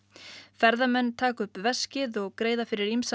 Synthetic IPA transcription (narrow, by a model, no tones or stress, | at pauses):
fɛɾðamɛnːt̪ʰaːkʏhpvɛscɪðɔɣkɾeːjðafɪɾɪɾimsa